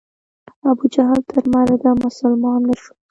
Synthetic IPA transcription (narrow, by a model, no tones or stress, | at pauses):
abud͡ʒaɦɑlt̪ʰəɾmaɾad̪ɑmʊsʊlmɑnːaʃu̥